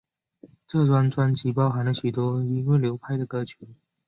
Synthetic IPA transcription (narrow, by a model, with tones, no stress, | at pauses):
ʈ͡ʂɤ˥˩t̪wa˥nʈ͡ʂwa˥nt͡ɕi˧˥pɑ˥ʊxa˧˥nlə˨˧ɕy˨˩t̪wɔ˥i˥ŋwe˥˩ɪljo˧˥ʊpʰa˥˩ɪd̪ə˨kɤ˧˥t͡ɕʰy˧˥˦n